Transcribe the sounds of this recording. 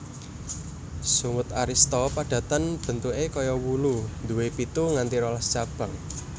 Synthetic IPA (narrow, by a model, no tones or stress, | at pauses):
suŋʊt̪aɾist̪ɔpaɖ̥ä̤t̪ənb̥ə̤nt̪uekɔjɔwulund̪uwepit̪uŋant̪iɾɔlast͡ʃab̥a̤ŋ